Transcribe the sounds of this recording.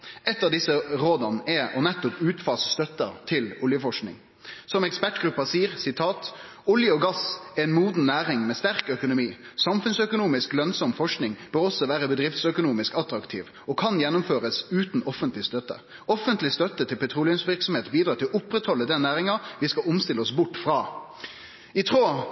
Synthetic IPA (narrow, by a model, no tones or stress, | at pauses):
ɛt̪ːɑd̪ɪsːəɾoːd̪ɑnɛɔnɛt̪ːɔpʉːt̪fɑːsst̪œt̪ːət̪ʰɪlʊljəfɔʂknɪ̰ŋ | sɔmɛkspæʈɡʁʉpːɑsiːəʁsɪt̪ʰɑːt̪ | ʊljəɔɡɑsɛɪnmuːd̪nnæːɾɪŋmɛst̪æɾkœkʊnʊmiː | sɑmfʉnsœkʊnuːmɪsklœnsɔmfɔʂknɪŋb̥øːʁɔsːɔʋæːʁəbəd̪ʁɪft̪sœkʊnuːmɪskɑt̪ɾɑkt̪ʰḭːʋ | ɔkʰɑnjɛnːʊmføːʁəsʉːt̪n̩ɔfənt̪lɪst̪œt̪ːə̰ | ɔfənt̪lɪst̪œt̪ːət̪ʰɪlpʰɛt̪ʰʁuːlɪœnsʋɪʁksɔmheːt̪biːd̪ɾɑːt̪ɪlɔʔʊpːʁɛt̪hɔlːəd̪ɛnːæːʁɪŋɑʋɪskɑʊmst̪ɪləɔsbʊʈːfʁɑː | ɪt̪ʰʁoː